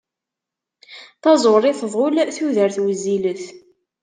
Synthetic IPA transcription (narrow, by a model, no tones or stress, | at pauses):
θɑzˤoɾˤɪθðˤʁʊlθuðəɾθwəzːiləθ